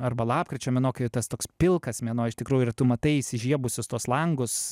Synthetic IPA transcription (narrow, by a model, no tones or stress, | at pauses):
ɐrbɐlˠɑːp̚kɾʲɪt͡ʃʲɛːmʲɛnoːkɐɪʊt̪ɐst̪oːkspʲɪlˠkɐsmʲɛnoːɪʃt̪ʲɪkɾuːjʊɪt̪ʊmɐt̪ɐɪisʲɪʒʲiɛbʊsʲʊst̪uɔslˠɐŋɡʊs